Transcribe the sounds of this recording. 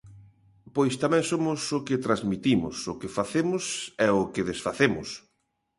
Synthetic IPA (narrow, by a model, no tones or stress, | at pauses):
pojst̪amɛ̃ŋsomʊsʊkɪt̪ɾazmit̪imʊ̰sʊkefaθemʊsɛʊkɪðesfaθemʊ̰s